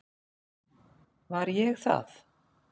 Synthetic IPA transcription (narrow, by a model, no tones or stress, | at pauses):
vaɾjɛɣθa̰θ